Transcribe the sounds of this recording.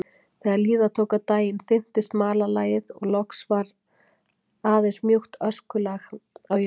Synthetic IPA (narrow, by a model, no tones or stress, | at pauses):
θɛːɣaɾliːðat̪ʰoːwkat̪aːjɪnθɪn̥t̪ɪst̪maːlalaːjɪðɔ̰ɣlɔksvaɾ | aːðejsmjoxt̪œskʏlɛɣaw